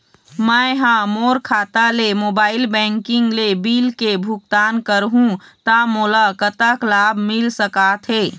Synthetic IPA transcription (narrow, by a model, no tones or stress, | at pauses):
məɦãmoːɾkʰaːt̪alemoːbaːɪlbɛ̃ːŋkɪ̃ŋɡlebiːlkebʱʊk̚t̪aːnkəɾɦũt̪amʊlakət̪aklaːbʱmɪlsəkaːt̪ʰɦeː